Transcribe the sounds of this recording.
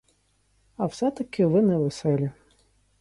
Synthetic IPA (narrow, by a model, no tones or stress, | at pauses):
ɐwsɛt̪ɐkɪʋɪnɛʋɛsɛlʲi